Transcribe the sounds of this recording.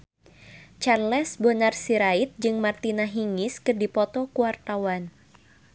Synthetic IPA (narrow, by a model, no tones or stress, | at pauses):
t͡ʃarlɛsbonarsiɾait̪̚d͡ʒɨŋmart̪inaɦiŋɪskɨrdipɔt̪ɔkuwart̪awan